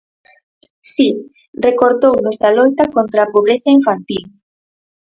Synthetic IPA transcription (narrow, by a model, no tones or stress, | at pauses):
si | rekoɾt̪ownozðalojt̪akont̪ɾaːpoβ̞ɾeθaiɱfant̪il